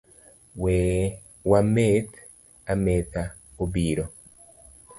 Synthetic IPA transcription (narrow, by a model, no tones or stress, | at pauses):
we | wamet̪ | ameːt̪a | obiːɾo